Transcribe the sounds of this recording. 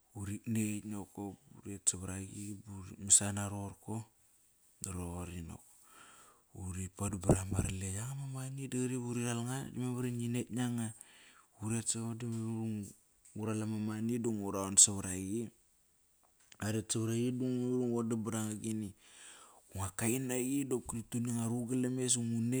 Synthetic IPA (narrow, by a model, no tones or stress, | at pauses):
uɾiknenokoṵɾetsaβaɾaɡibuɾimisanaɾoɾko | daɾoɣoɾino̰ko | uɾipadubaɾamaɾalejaŋamamanidaɾiβuɾiɾalŋadimeβaɾininetɲaŋauɾetsaodimeɾuŋ | uɾalamamaniduŋuɾaonsaβaɾaɡi | aɾetsaβɾaɡiduŋmeɾuŋodabaɾaŋaɡini | uŋakajnaɡidokɾituniŋaɾuɡalemes̬uŋune